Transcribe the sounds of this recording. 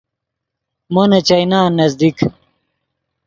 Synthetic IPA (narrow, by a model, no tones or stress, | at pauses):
monɐt͡ɕɐjnaːnːɐzd̪ik